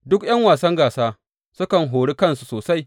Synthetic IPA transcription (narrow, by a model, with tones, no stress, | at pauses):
dʊ˦kj̰ɐ˦ŋwaː˨sɐ˦ŋɡaː˨saː˦ | sʊ˦kɐ˨ŋɦoː˨ɽi˦kɐ˦nsu̥˨soː˨sa˦j